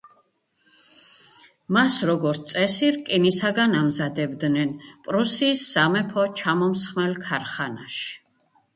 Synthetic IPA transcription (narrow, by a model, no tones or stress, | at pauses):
masɾɔɡɔɾt̪sʼɛsiɾkʼinisaɡanamzad̪ɛbd̪nɛnpʼɾusiːsːamɛpʰɔt͡ʃʰamɔmsχmɛlkʰaɾχanaʃi̥